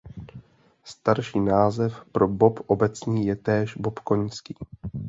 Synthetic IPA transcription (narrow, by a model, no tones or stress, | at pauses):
st̪aɾʃiːnaːzɛfpɾo̞bo̞pʔobɛt͡sɲiːjɛt̪ɛːʃbo̞pko̞ɲskiː